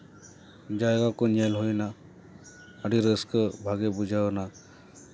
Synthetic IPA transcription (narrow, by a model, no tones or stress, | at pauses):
d͡ʒajɡakonialɦojna | aɖiɾəskəbʱaɡebud͡ʒʱawna